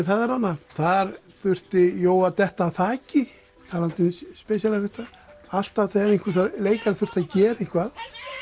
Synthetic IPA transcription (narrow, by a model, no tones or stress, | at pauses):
θaðɛɾanːaθaɾ | θʏr̥t̪ɪjoːwat̪ɛht̪aːθaːcɪ | t̪ʰaːlant̪ɪnspɛsjalɪfʏht̪a | al̥t̪avθɛɾinkʏɾ̥θaleːjkaɾθʏr̥t̪aðcɛːɾiŋ̥kʰvað